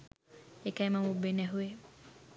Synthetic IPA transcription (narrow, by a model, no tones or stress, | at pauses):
ekajmamubenɛɦue